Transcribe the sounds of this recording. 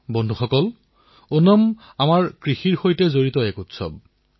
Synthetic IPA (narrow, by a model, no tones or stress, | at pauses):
bɔndʱuxɔkɔl | onɔm | amaɹkɹixiɹxojtɛzoɹitɔɛkutsɔ̰b̚